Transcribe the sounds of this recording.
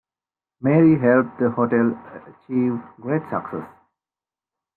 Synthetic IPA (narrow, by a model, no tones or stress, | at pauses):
meːɾiɦɛlp̚d̪əhoʈeləət͡ʃiʋɡɾeːʈsə̰ksḛs